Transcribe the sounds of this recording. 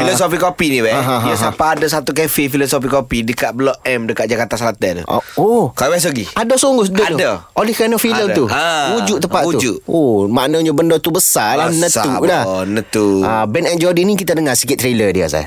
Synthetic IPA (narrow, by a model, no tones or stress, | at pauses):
filosofikːopinibɛaɦãɦjasapaːdas̬at̪ukɛfifilosofikːopidəkaʔ̪̚bəlɔʔ̚ɛmdəkat̪ʔ̪̚d͡ʒakat̪asɾat̪əṵo̰okalabɛs̬əɡiadosoŋɡʊsdət̪daolihkajnɔfiləmt̪uaud͡ʒuʔt̪əpaʔ̪ud͡ʒuʔomaʔnəɲəbəndɔt̪ubəsalanəaulanət̪uabɛnɛnd͡ʒɔdinikit̪adəŋasəkɪt̪ːɾelədia̰sa̰